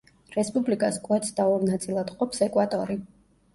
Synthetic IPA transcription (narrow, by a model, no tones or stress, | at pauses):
ɾɛspʼublikʼaskʼwɛt̪sʰd̪aɔɾnat̪sʼilˠad̪qʼɔpsɛkʼwat̪ʼɔɾi